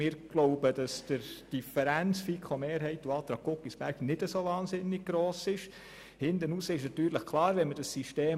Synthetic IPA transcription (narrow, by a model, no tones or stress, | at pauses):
ɪːɾɡ̥loʊbəd̥ɑsd̥əɾd̥ifəɾænt͡sfikʰomeːɾɦɛɪtuɑːt̪ɾɑːɡ̚ːokːisb̥æɾɡ̥nɪd̥əsovɑːnsɪnːɪɡ̚ɡ̥ɾoːsɪʃ | hɪndənusəɪʃnɑt̪yːɾləχkʰlɑːɾʋɛnməd̥ɑsːiʃteː